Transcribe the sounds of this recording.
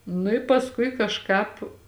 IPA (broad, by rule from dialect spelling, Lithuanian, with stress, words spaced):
nʊ ɪ pɐsˈkʊɪ kɐʃˈkɑːp